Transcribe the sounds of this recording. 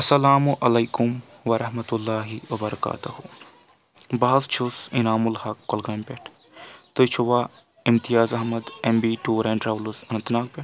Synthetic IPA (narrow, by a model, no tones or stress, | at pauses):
ɐsɐlaːmuʔɐlejkʊm | ʋɐɾɐɦmɐt̪ulːaːɦiwɐbɐɾɐka̰ːt̪uhu | baːzt͡ʃʰusinaːmulhɐkːɐlɡaːmpeʈʰ | t̪ojt͡ʃʰuʋaː | imt̪ijaːzɐɦmɐd̪embiːʈuːɾɛ̃ːɳʈɾaːʋlusɐnɐnt̪naːk̚peʈ